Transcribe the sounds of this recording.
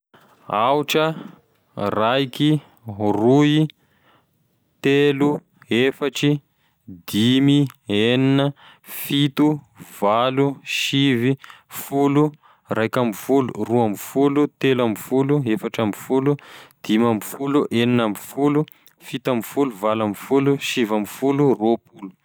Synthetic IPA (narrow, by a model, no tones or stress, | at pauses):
auʈ͡ʂə | raiki | rui | t̪elu | efaʈ͡ʂi | d̪imieninə | fit̪u | valuʃivifulu | rajkamfulṵruamfulut̪elamifuluefaʈ͡ʂamfulud̪̥imamfuluʔeninamfulu | fit̪amfuluvalamfuluʃivamfuluropulu̥